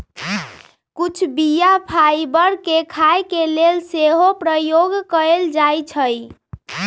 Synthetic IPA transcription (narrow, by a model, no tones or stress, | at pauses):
kut͡ʃʰbijapʰajbəɾkekʰajkelelseɦopɾəjoɡkəeld͡ʒajt͡ʃʰəj